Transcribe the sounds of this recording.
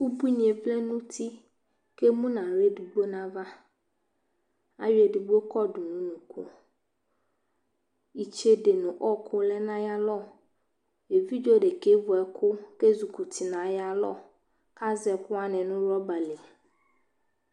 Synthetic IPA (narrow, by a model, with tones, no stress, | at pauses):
u˦bu˦nĩ˨e˨ɸle˦nũ˦t̪ʰi˦ | ke˦mũ˦nã˨ɾe˦ɖu˨ɡ͡bo˦nã˦va˦ | a̰˦ɥe˨ɖu˨ɡ͡bo˦kɔ˦ɖu˨nũ˦nũ˨kṵ˦ | i˨t͡ʃe˦ɖe˨nũ˨ʔɔ˦kʰʊ˦lɛ˦nã˦ja˦lɔ˦˨ | e˨vi˦d͡ʒo˦ɖe˨ke˦vɔ˨ɛ˨kʊ˦ke˦zu˨ku˨t̪i˨nã˨ja˦lɔ̰˦ | ka˦zɛ˨kʊ˦a˦nɛ̃˨nũ˦ɾɔ˦ba˨le˨